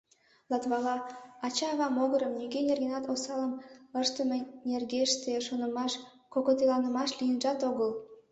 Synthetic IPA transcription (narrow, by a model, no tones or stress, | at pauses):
lˠɑt̪βɑlˠɑɑt͡ɕɑːβɑmoɣɤ̆ɾə̆mnʲyɡʲenʲerɡʲenɑt̪osɑlˠə̆mə̆ʃt̪ə̆mʲĕnʲerɡʲeʃt̪eʃonɤ̆mɑʃ | kokot̪elˠɑnə̆mɑʃlʲijə̆nʒɑt̪oɣɤ̆lˠ